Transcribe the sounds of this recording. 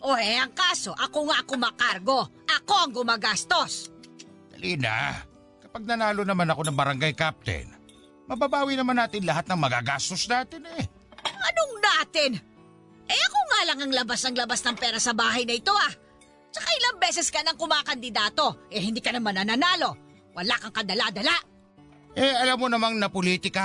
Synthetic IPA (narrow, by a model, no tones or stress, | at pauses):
ʔoːʔɛʔɐŋkaːso̞ʔɐkoŋakʊmaːkaɾɡo̞ʔɐko̞ʔɐŋɡʊmaːɡast̪o̞s | d̪ɐ̰liːna̰ | kɐpaɡ̚nɐnaːlo̞nɐmanɐko̞nɐŋbɐɾɐŋɡajkap̚t̪ɛ̰n | mɐbaːbaːwinɐmanːaːt̪ɪnlɐɦat̪̚nɐŋmɐɡaɡast̪o̞snaːt̪ɪnɛ | ɐnoŋnaːt̪ɪn | ʔɛʔɐkoŋaːlɐŋɐŋlɐbasnɐŋlɐbasnɐŋpɛːɾɐsɐbaːɦɐjnɐɪt̪o̞ʔa | t͡ʃɐkaʔɪlaŋbɛːsɛskɐnɐŋkʊmaːkɐnd̪ɪd̪aːt̪o̞ʔɛhɪnd̪iːkɐnɐmɐnɐnanaːlo̞ | wʔɐlakɐŋkɐd̪ɐlad̪ɐlaʔ | ʔɛʔɐlamːonɐmaŋnɐpoliːt̪ɪka